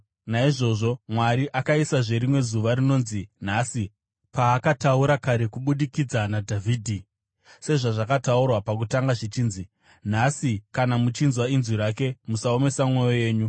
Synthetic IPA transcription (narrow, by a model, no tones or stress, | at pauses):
naiʐo̞ʐo̞mwaɾiʔakaisaʐe̞ɾimwe̞zuʋaɾino̞ːnzin̤asi | paːkatauɾakaɾe̞kuɓuɗikid͡zanadʱavʱiːdʱi | se̞ʐaʐakataurwapak̬utaŋɡaʐit͡ʃiːnzi | n̤asikanamut͡ʃinzwainziɾake̞musao̞me̞samwe̞jo̞je̞ːɲu